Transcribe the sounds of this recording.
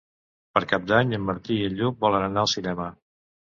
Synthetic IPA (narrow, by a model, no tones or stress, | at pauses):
pəɾkap̚d̪aɲəmːəɾt̪iiəʎʎubɔlənənaəlˠsinɛmə